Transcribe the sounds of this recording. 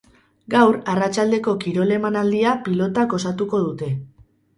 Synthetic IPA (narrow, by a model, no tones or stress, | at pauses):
ɡawɾarat͡ʃald̪e̞ko̞kiɾo̞le̞manald̪iapilo̞t̪ako̞sat̪uko̞ð̞ut̪e̞